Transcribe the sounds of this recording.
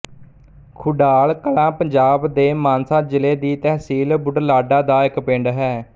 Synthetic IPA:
kʰʊɖaːlkəlãːpəɲd͡ʒaːbd̪eːmaːnsãːd͡ʒɪleːd̪iːt̪ɛːɦsiːlbʊɖlaːɖaːd̪aːɪkpẽːɳɖɦɛː

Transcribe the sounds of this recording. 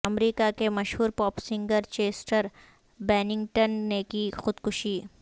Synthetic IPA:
ɐmɾiːkakemɐʃɦuːɾpɔːpsɪ̃ŋɡəɾt͡ʃeːsʈəɾ | bɛːnɪ̃ŋɡʈənːekixʊd̪kʊʃiː

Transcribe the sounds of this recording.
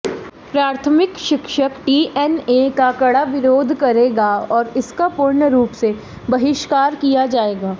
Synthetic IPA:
pɾaːɾt̪ʰəmɪkʃɪkʃəkʈiːʔɛnekakɐɽaʋɪɾoːd̪ʱkɐɾeːɡaɔːɾɪskapʊɾɳəɾuːpse | bɐɦɪʃkaːɾkijad͡ʒaːeːɡaː

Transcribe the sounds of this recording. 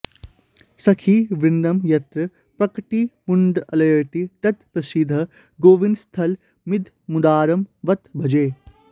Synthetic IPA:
sɐkʰiʋɾɪnd̪ɐmjɐt̪ɾə | pɾɐkʈimʊɳɖɐlɐjɐɾt̪it̪ɐt̪pɾɐsid̪ʱɐ | ɡoːʋinst̪ʰɐl | mɪd̪ʱ | mud̪aːɾɐmʋɐt̪bʱɐd͡ʒeː

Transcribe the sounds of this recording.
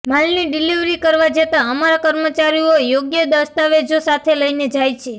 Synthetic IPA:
malniɖiliʋɾikəɾʋad͡ʒet̪aəmaɾakəɾmət͡ʃaɾiojoɡjəd̪əst̪aʋed͡ʒosat̪ʰeləined͡ʒajt͡ʃʰe

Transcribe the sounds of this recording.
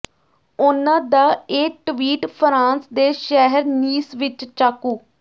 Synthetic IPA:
ʊnãːd̪aːeːʈʋiːʈpʰɾãːnsd̪eːʃɛɦəɾniːsʋɪt͡ʃt͡ʃaːkuː

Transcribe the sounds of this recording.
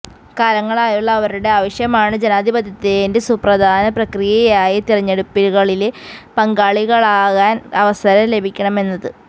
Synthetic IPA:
kaːlɐŋːɐɭaːjuɭːɐːʋɐɾuɽe̞aːʋɐɕjɐmaːɳɨd͡ʑe̞naːd̪ʱibɐd̪ʱɐt̪ːeinde̞suprɐd̪ʱaːnɐprɐkrijɐjaːjit̪irɐɲːeɽupːilɣɐɭilpɐŋɡaːɭiɣɐɭaːɣaːnɐʋɐsɐɾɐle̞bʱikʲːɐɳɐme̞nːɐðɨ

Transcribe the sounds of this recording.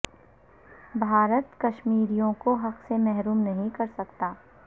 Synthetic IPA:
bʱaːɾət̪kɐʃmiːɾijõkoɦɐqsemɛɦɾuːmnɐɦĩkɐɾsɐkt̪aː

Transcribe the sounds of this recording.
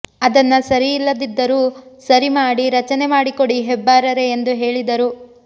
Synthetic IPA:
ɐd̪ɐnːɐsɐɾiːlːɐd̪id̪ːɐɾusɐɾimaːɽiɾɐt͡ʃɐnemaːɽiko̞ɽiɦɛbːaːɾɐɾeːnd̪uɦe̞ːɭid̪ɐɾu

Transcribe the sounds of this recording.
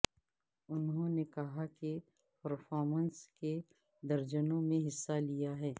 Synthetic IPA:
ʊnɦõnekɐɦake | pɐɾfɔːɾmənske | d̪ɐɾd͡ʒənõmẽɦɪsːalijaɦɛː

